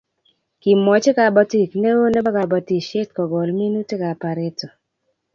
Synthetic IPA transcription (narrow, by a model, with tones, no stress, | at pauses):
ki˨mːɔ˨t͡ʃe˦ka˨bɔ˦ti˦˨kne˦wo˦nɛ˦ba˦ka˨bɔ˨ti˨ʃe˦tkɔ˨ɡɔ˨lmi˦nu˦te˦ka˨pa˨ɾɪ˦tɔ˨